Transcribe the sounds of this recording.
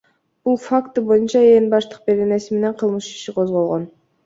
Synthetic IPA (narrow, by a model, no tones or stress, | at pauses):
b̥ulˠfakt̪ɯbojunt͡ʃɑenbɑʃt̪ɯ̥q̚be̞ɾene̞sime̞ne̞ɴqʰɯlˠmɯʃi̥ʃiqʰozʁolˠʁon